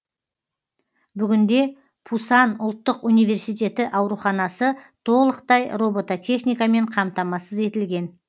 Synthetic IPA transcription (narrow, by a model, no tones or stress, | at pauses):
bʏɡʲɪnd̪e̞ | pʰusɑnʊlˠt̪ːəqunijve̞ɾsijt̪ʲe̞t̪ɪʔɑwɾuχɑnɑsət̪ʰo̞lˠəqt̪ɑjro̞bo̞t̪at̪ʰʲe̞χnijkɑme̞ɴqʰɑmt̪ɑmɑsəze̞t̪ɪlɡʲe̞n